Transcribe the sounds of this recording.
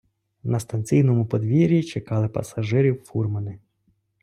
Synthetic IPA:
nɐst̪ɐnʲt͡sʲijnɔmʊpɔd̪ʋʲiɾʲit͡ʃekɑlˠɪpɐ̰sɐʒɪɾʲiwfurmɐnɪ

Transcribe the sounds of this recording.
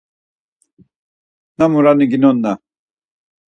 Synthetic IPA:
namuɾanɨɡinɔnːa

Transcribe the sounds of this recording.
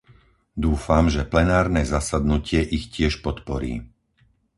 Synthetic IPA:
d̪uːfamʒɛplɛnaːɾnɛːzasad̪nucɪɛʔixcɪɛʃpɔt̪pɔɾḭː

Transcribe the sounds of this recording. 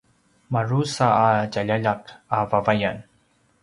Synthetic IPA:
maɹusaːd͡ʒaʎaʎakavavajan

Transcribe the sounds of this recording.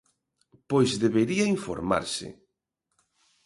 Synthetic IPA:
pojzðeβeɾiɐiɱfo̰ɾma̰ɾsɪ̰

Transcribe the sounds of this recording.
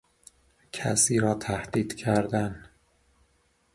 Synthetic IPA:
cʰæ̰siːɾɒːt̪ʰæhd̪̥iːd̪̥cʰæɾd̪æn

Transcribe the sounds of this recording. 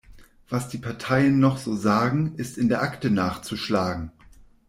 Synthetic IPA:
v̥asd̥iːpʰaɐtʰaɪənːɔχz̥oːzaːɡŋ̩ɪstɪndeːɐʔaktənaːχt͡suʃlaːɡŋ̩

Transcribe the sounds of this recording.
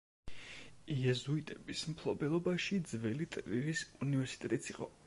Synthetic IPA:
iɛzuit̪ʼɛbismpʰlˠɔbɛlˠɔbaʃid̪zvɛlit̪ʼviɾisunivɛɾsi̥t̪ʼɛt̪ʼit̪sʰiqʼɔ̰

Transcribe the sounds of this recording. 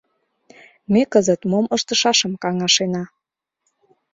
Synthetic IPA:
mekəzət̪moməʃt̪əʃɑʃəmkɑŋɑʃenɑ

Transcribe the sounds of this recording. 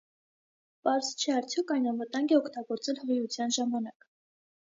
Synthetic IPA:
pɑɾzt͡ʃʰɛɑɾt͡sʰjɔkɑjnɑnvət̪ɑŋɡɛɔkʰt̪ɑɡɔɾt͡sɛlhəʁiut͡sʰjɑnʒɑmɑnɑk

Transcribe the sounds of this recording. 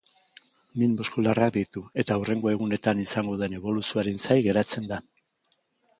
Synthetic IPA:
minbuskularak̚d̪ijt̪ue̞t̪aure̞ŋɡo̞e̞ɣ̞une̞t̪anisaŋɡo̞ðe̞ne̞βo̞lusioaɾensajɣe̞ɾat͡se̞nd̪a

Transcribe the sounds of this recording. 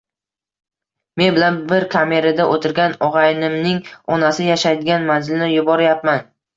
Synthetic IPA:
me̞nbɪlanbɪɾkʰame̞ɾad̪aʔot̪ʰɪɾɡʲanɒʁɑjnɪmnɪŋɒnasɪjaʃajd̪ɪɡʲanmanzɪlnɪjʊbɒɾɪjapman

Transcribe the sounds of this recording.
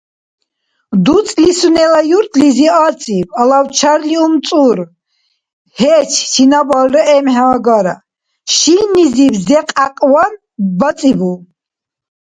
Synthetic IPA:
d̪ut͡sʼlisunɛlajuɾt̪ʰʼliziat͡sʼibalawt͡ʃʰaɾliumt͡s̪ʼuɾ | hɛt͡ʃʰt͡ʃʰinabalːɛɛmhɛɡaɾa̰ | ʃinizibzɛqʼaqʼwan | bat͡s̪ʼibu

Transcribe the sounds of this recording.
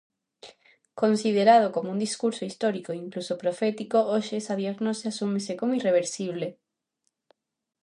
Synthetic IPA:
konsið̞eɾaðokomound̪iskuɾsoist̪oɾikoiŋklusopɾofɛt̪ikooʃesaðjeɾnoseasumesekomoireβ̞eɾsiβ̞le

